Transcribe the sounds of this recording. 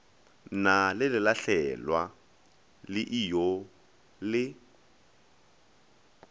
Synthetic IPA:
nalɪlɪlaɬɛlwa | lɪʔijo | lɪ

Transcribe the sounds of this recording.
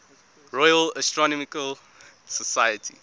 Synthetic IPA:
ɹɔjəlastɹɔnɔmikəl | səsajətʰḭ

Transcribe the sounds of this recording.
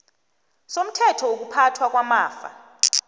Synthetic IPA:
som̩tʰɛtʰɔwok̬upʰatʰwak̬ʼwamaːfa̰

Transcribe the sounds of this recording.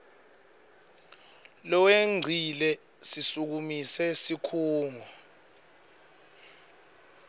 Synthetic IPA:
lɔweŋ͡ǀʱilɛ | sisuk̬umisɛsikʰuːŋʱɔ

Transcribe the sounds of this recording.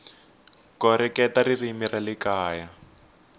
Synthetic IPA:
kɔɾɛkɛtaririmiralikaːja

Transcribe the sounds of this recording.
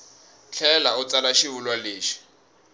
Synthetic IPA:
t͡ɬʰɛlaʊt͡salaʃiulwaleːʃi̥

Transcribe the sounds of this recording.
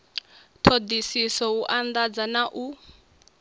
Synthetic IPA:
t̪ʰod̪isisɔuʔand̪ad͡zanaʔu

